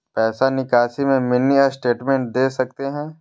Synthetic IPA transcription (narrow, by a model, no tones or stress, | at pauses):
pɛːsanɪkaːsimẽmɪnːiɐɾsʈeːʈmẽɳʈ̚d̪eːsɐkt̪eɦɛ̃ː